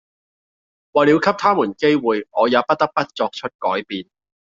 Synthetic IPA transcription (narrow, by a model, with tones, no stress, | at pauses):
waː˨li˨˧wkʰɐ˥p̚t̪ʰaː˥muː˨˩nke˥jwuː˨jŋɔː˨˧jaː˨˧pɐ˦˥t̚t̪ɐ˥k̚pɐ˥t̚t͡sɔː˧k̚t͡ʃʰɵ˥t̚kɔː˨˥jpiː˨n